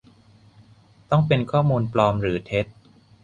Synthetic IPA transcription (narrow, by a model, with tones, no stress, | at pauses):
t̪ɔ˥˩ŋpe˧nkʰɔː˥˩muː˧nplɔː˧mɾɯː˩˦t̪ʰe˦˥t̪̚